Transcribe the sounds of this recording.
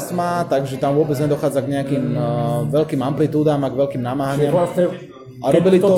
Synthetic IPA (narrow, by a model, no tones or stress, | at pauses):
smat̪aɡʒɛt̪amʋʊɔbɛd͡zɲɛd̪ɔxaːd͡zaɡɲɛakiːmʋɛlkiːmamplit̪uːd̪amaɡʋɛʎkiːmnamaːɦaɲɪamasɛ | aɾɔbilit̪ɔ